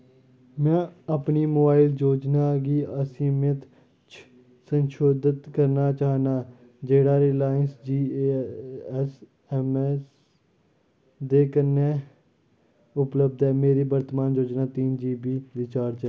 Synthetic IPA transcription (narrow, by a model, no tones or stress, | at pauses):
mɛ̃ːəpniːmoːbaːɪld͡ʒoːd͡ʒnaːɡiːəsĩːmẽt̪ | t͡ʃ | sənʃoːd̪ət̪kəɾnaːt͡ʃaːnaː | d͡ʒeːɽaːɾeːlaːənsd͡ʒiː | s | ɛmɛs | d̪eːkəne | ʊpləb̚d̪ɛːmeːɾiːbəɾt̪əmaːnd͡ʒoːd͡ʒnaːt̪iːnd͡ʒiːbiːʋɪt͡ʃaːɾt͡ʃɛ